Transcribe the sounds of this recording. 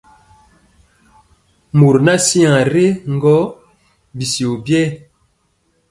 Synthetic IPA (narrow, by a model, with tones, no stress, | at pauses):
mu˨ɾna˦si˦ã˨ɾe˦ŋ̩˦ɡɔ˦ | bi˨si˨o˨bjɛ˦˨